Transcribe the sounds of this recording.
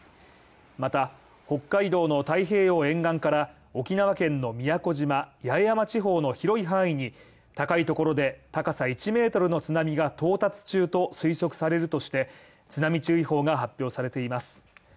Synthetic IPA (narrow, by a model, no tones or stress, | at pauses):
mat̪a | ho̞kːaid̪o̞ːno̞t̪aiɦe̞ːjo̞ːẽ̞ŋɡãŋkaɾa | o̞kʲinaβakẽ̞nːo̞mʲijako̞ʑimajaejamat͡ɕiɦo̞ːno̞çiɾo̞iɦãɰ̃iɲ̟i | t̪akait̪o̞ko̞ɾo̞d̪e̞t̪akasait͡ɕime̞ːt̪o̞ɾɯ̟no̞t͡sɨnamʲiɡat̪o̞ːt̪at͡sɨ̥t͡ɕɨːt̪o̞sɨiso̞kɯ̟̥saɾe̞ɾɯ̟t̪oɕi̥t̪e̞ | t͡sɨnamʲit͡ɕɨːiho̞ːɡaɦapʲjo̞ːsaɾe̞t̪e̞imasɨ̥